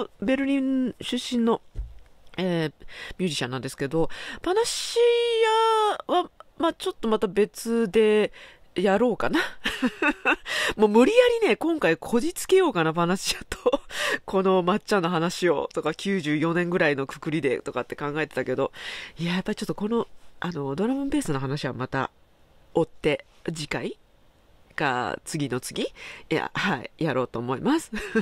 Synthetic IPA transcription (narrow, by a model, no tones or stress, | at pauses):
be̞ɾɯ̟ɾʲĩnɕɨɕːĩnːo̞ | eːmʲɨ̟ːʑiɕã̰nːãnd̪e̞sɨ̥ke̞d̪o̞panaɕijaβamaːt͡ɕo̞t̪ːo̞mat̪abe̞t͡sɨd̪e̞ | jaɾo̞ːkana | moːmɯ̟ɾʲijaɾʲine̞kõ̞ŋkaikʰo̞ʑit͡sɨ̥ke̞jo̞ːkanabanaɕiat̪ʰokʰo̞no̞mat͡ɕt͡ɕːãnːoɦanaɕio̞̰t̪o̞kakʲɨːʑɨːjo̞nẽ̞ŋɡɯ̟ɾaino̞kɯ̟̥kɯ̟ɾʲid̪e̞̰t̪o̞kat̪ːe̞kãŋɡae̞t̪e̞t̪ake̞d̪o̞iajapːaɾʲit͡ɕo̞t̪ːoko̞no̞ano̞d̪o̞ɾamɯ̟̃mbe̞ːsɨnoɦanaɕiβamat̪a̰ | o̞t̪ːe̞d͡ʑikai | ɡ̥a̰t͡sɨɡʲino̞t͡sɨɡʲija̰haḭjaɾo̞ːt̪o̞ːmo̞imasɨ̥